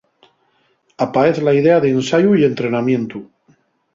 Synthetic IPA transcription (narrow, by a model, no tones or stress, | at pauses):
apae̞θlaið̞e̞aðeːnsajuie̞nt̪ɾe̞namjẽ̞nt̪u